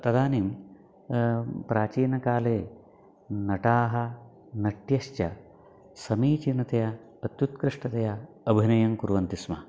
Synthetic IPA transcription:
t̪ɐd̪aːniːm | pɾaːt͡ʃiːnɐkaːleː | nɐʈaːɦɐ̆ | nɐʈjɐʃt͡ʃjɐ | sɐmiːt͡ʃinɐt̪ɐjɐ | ɐt̪jut̪kɾɪʂʈɐt̪ɐjɐ | ɐbʱinɐjɐmkuɾʋɐnt̪ismɐ

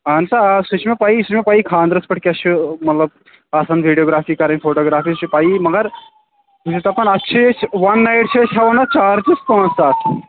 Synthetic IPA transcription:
ɐnt̪asut͡ʃʰmepaːisut͡ʃmepaːikʰãːnd̪ɾɐspɐʈkʲeɐumɐt̪lɐb̚ | aːsɐnʋʱiɖijoːɡɾaːfiːkɐɾɐ̃nʲfʰoːʈoːɡɾaːfiːst͡ʃʰipaːimɐɡɐɾ | ut͡ʃʰit̪ɐpɐnɐtːʃʰiet͡ʃʰʋɐnːajʈ̚t͡ʃʰet͡ʃʰaʋɐnat͡ʃaːɾt͡ʃiskõːnsaːʈʰ

